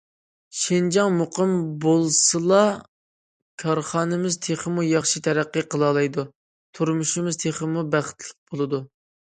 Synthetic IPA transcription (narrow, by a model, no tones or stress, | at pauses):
ʃɪnd͡ʒɑŋmoqʰɨmbolˠsɨlˠɑ | kʲʰɑɾχɑːnɨmɪzt̪ʰeχəmujɑχʃit̪ʰɛɾæqːəqʰəlˠɑːlˠɑjd̪u | t̪ʰuɾmuʃimɪzt̪ʰeχəmubæχɪ̥t̪ʰlɪq̚b̥olˠɨd̪u